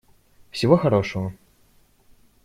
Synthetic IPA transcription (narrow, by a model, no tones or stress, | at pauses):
wsʲivɔxaɾɔʂɐvɐ